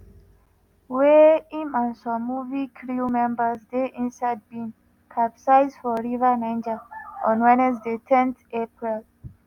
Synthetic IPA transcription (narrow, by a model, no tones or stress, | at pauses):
weĩmãnsɔ̃mːuvikʰɹumɛ̃mbəzdeʔĩnsaɪd̚bĩn | kʰapsaɪzfɔɹivənãɪ̃nd͡ʒəʔɔ̃nwɛnɛsdetʰɛ̃ntepɹil